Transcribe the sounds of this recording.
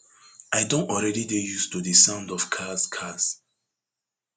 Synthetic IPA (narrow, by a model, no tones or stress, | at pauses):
ʔajdõntɔlɹɛdidejustudisãʊ̃ndɔfkʰaskʰas